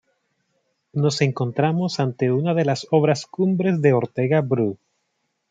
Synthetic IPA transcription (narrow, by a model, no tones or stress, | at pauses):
no̞se̞ŋko̞nt̪ɾamo̞sant̪e̞unaðe̞laso̞βɾaskumbɾe̞zðeo̞ɾt̪e̞ɣabɾu